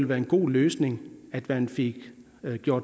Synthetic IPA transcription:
lʋæːɐe̝nɡ̥o̝̰ːløːsne̝ŋæd̥ʋænfe̝ɡ̥ | ɡ̥jo̝ɐ̰d̥

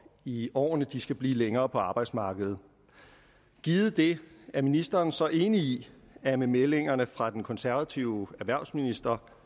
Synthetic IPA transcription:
iɒ̰ːnəd̥isɡ̥æb̥lḭːleŋɐːpʰɒ̽ɑ̈ːb̥ɑ̈ɪd̥smɑ̈ːɡ̥əð̩ˠ | ɡ̥iːð̞̩ˠd̥e̝æɐminisd̥ɐːnsɒ̽ʔe̝ːniː | æmemele̝ŋ̰ɐnəfʁɑ̈d̥enkʰɒ̽nsæɐʋæt͡sʰiʊæɐʋæɐ̰sminisd̥ɐ

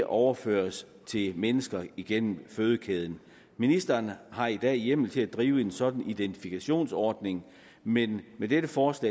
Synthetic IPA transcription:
ʔɒʊɐfø̰ːɐs | t͡sʰe̝lmenəsɡ̥ɐiɡ̥en̰m̩føːð̞ˠəkʰɛð̞ˠn̩ | minisd̥ɐːnhɑ̈id̥ɛ̰ːjem̰l̩t͡sʰe̝læd̥ʁiːʊəe̝nsɒ̽d̥n̩id̥ent͡sʰifikʰæɕo̝̰ːnsɒːd̥ne̝ŋ | menmed̥edəfɒːslɛ̰

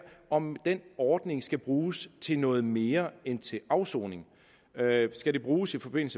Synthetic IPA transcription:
ɒ̽md̥enɒːd̥ne̝ŋsɡ̥æb̥ʁuːst͡sʰe̝nɔ̽ːð̞̩ˠme̝ːɐent͡sʰe̝lʔɑ̈ʊsɔːne̝ŋ | sɡ̥æɾe̝b̥ʁuːsifɒ̽b̥e̝n̰l̩sə

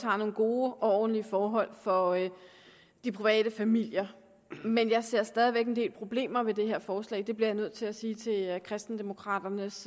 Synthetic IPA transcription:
ɑ̰̈no̝ːn̩ɡ̥o̝ːɒ̽ɒ̰ːd̥n̩liəfɒːɦɒ̽l̰fɒ̽ | d̥ipʰʁiʋɛ̰ːd̥əfæmil̰jɐ | menjɑ̈ɪse̝ɐ̰sd̥ɛːðˠiʋeɡ̥e̝nd̥e̝̰ːlpʰʁo̝b̥le̝̰ːmɐʋe̝d̥e̝heɐ̰fɒːslɛ̰ːɪd̥e̝b̥liɐjnøð̞̰ˠt͡sʰe̝læsiːt͡sʰe̝lkʰʁɛsd̥n̩d̥e̝mo̝kʰʁɑ̰̈ːd̥ɐnəs

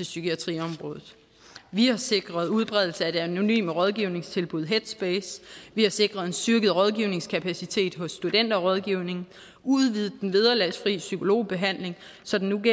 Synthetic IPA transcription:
t͡sʰe̝lsykʰiæt͡sʰʁḭɒ̽mʁɔ̽ːð̞ˠð̩ˠ | ʋihɑ̈se̝ɡ̥ʁɐð̞ˠuð̞ˠb̥ʁɛðˠl̩səæ̝̥æno̝ny̰ːməʁɒ̽ð̞ˠɡ̥iʊne̝ŋst͡sʰe̝lb̥uð̞̰ˠɦed̥sb̥eːsʋihɑ̈se̝ɡ̥ʁɐðˠensd̥yɐɡ̥əð̞̩ˠʁɒ̽ð̞ˠɡ̥iʊne̝ŋskʰæpʰæsit͡sʰe̝̰ːd̥ɦɔ̽sːd̥ud̥en̰d̥ɐɒʁɒ̽ð̞ˠɡ̥iʊne̝ŋ | uðˠʋið̞̩ˠd̥enʋið̞ˠɐlæsfʁiːəsykʰo̝lo̝̰ːb̥e̝ɦæn̰le̝ŋsɒ̽d̥enuɡe

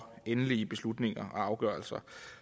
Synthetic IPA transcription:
enəliəb̥e̝slud̥ne̝ŋɐʔɒɑ̈ʊɡ̥œɐlsɐ

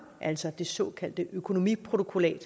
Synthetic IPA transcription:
ʔæl̰sɒd̥e̝sɔ̰̽ːkʰæl̰d̥əʔøkʰo̝no̝mḭpʰʁo̝t͡sʰo̝kʰo̝lɛ̰ːd̥

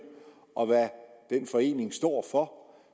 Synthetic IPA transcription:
ʔɒ̽ʋæd̥enfɒ̽e̝̰ːne̝ŋsd̥ɒ̰ːfɒ̽

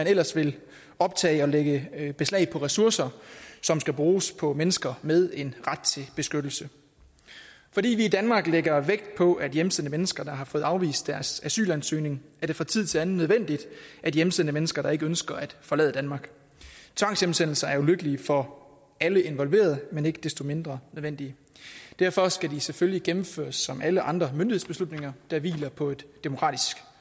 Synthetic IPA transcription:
mænel̰ɐsʋe̝l | ɒ̽b̥̚t͡sʰɛ̰ːɪɒ̽leɡ̥əb̥e̝slɛ̰ɪpʰɒ̽ʁɛsuɐsɐsɒ̽msɡ̥æb̥ʁuːspʰɒ̽menəsɡ̥ɐmeð̞ˠe̝nʁad̥̚t͡sʰe̝lb̥e̝sɡ̥ød̥l̩sə | fɒ̽dḭːʋiːd̥ænmɑ̈ːɡ̥leɡ̥ɐʋeɡ̥̚d̥̚pʰɒ̽ʔæd̥jemsenəmenəsɡ̥ɐd̥ɑ̈ɦɑ̈fɔ̽ːð̩ˠɑ̈ʊʋḭːsd̥d̥æɐsæsy̰ːlænsø̰ːne̝ŋæɐɾe̝fʁɑ̈t͡sʰið̰ˠt͡sʰe̝ænð̩nːøðˠʋen̰d̥id̥ʔæd̥jem̩senəmenəsɡ̥ɐɾ̥ɑ̈e̝ɡ̥əønsɡ̥ɐæd̥fɒ̽lɛ̰ðˠədænmɑ̈ːɡ̥ | t͡sʰʋɑ̈ŋ̰sjem̩sen̰l̩sɐæɐuløɡ̥əliəfɒ̽ | æləe̝nʋɒ̽lʋe̝̰ːɐð̞ˠəmene̝ɡ̥əd̥esd̥o̝me̝nd̥ʁɐnøðˠʋen̰d̥iə | d̥æɐ̰fɒ̽sɡ̥ædiseføljiɡ̥emm̩fø̰ːɐsːɒ̽mʔæləʔɑ̈nd̥ʁɐmynd̥ihḛsb̥e̝slud̥ne̝ŋɐd̥ɑ̈ʋḭːlɐpʰɒ̽e̝d̥ːemo̝kʰʁɑ̰̈ːd̥isɡ̥

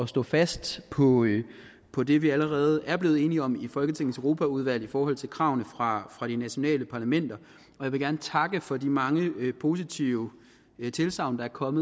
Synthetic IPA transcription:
ɒ̽sd̥ɔ̰̽ːfæsd̥pʰɒ̽ | pʰɒ̽d̥e̝ʋiæləʁɛːð̞̩ˠæɐb̥le̝ːð̞̩ˠe̝ːniɒ̽mifɒ̽lɡ̥ət͡sʰe̝ŋ̰n̩søʁo̝ːpʰæuð̞ˠʋæl̰ˠifɒːhɒ̽l̰t͡sʰe̝lkʰʁɑ̈ʊ̰nəfʁɑ̈fʁɑ̈ɾ̥inæɕo̝nɛ̰ːləpʰɑ̈læmen̰d̥ɐ | ɒ̽jʋe̝ɡæɐnət͡sʰɑ̈ɡ̥əfɒ̽dimɑ̈ŋəpʰo̝ːsit͡sʰiʊ | t͡sʰe̝lsɑ̈ʊ̰nd̥ɑ̈æɐkʰɒ̽mð̩ˠ

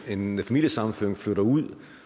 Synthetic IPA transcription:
e̝nfæmil̰jəsɑ̈mn̩føɐ̰ŋfløɾ̥ɐuð̰ˠ

